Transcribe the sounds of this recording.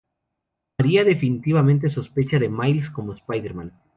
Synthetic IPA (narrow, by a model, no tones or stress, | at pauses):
maɾiaðe̞finit̪iβamẽnt̪̬e̞so̞spe̞t͡ʃaðe̞majlsko̞moespajðeɾmãn